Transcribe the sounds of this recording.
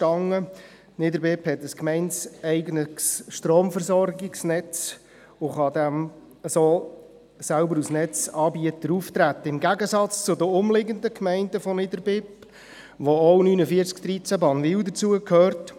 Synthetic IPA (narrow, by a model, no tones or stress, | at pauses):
ʃtɑŋːə | nɪdəɾbɪphɛtəskmɛɪnsɛɪɡənəksʃtroːmfəɾsɔɾɡɪksnɛt͡s | ʊχɑd̪æm | əsoː | sælbəɾusnɛt͡sɑːbiətəɾuft̪ɾæt̪ːəɪmɡæɡəsɑt͡st͡sʊd̪əʊmlɪɡənd̪əkmɛɪndəfɔnɪdəɾbɪp | ʋoɔwnyːnəfiəɾt͡skd̥̪ɾit͡sæbɑːnʋɪwdət͡suəkʰøːrt